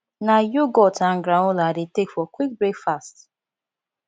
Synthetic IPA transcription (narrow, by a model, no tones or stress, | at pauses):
najoɡɔtʰãŋ̩ɡɾãnʊladetekfɔkwik̚bɹekfast